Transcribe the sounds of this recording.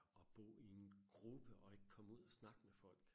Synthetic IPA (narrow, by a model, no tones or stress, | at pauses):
ɒ̽b̥ɔ̰ːienɡ̥ʁub̥əʔɒ̽e̝ɡ̥əkʰɒ̽muð̞̰ˠæsnɑ̈ɡ̥əmefɒ̽l̰ɡ̥